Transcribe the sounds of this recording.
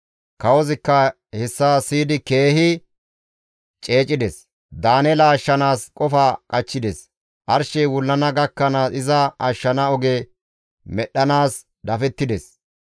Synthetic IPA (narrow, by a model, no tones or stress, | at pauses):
kɐwɔzɪkːɐ | hɛsːasiːd̪ɪke̞ːhɪ | t͡ʃʼe̞ːt͡ʃʼːɪd̪ɛs | d̪aːnɛlɐːʃːɐnaːskʼɔfaːkʼɐt͡ʃːɪd̪ɛs | ʔɐɾʃɛjwʊlːɐnɐɡɐkːɐnasɪzɐɐʃːɐnɐɔɡɛ | mɛɗːɐnaːs | d̪ɐfɛt̪ːɪd̪ɛs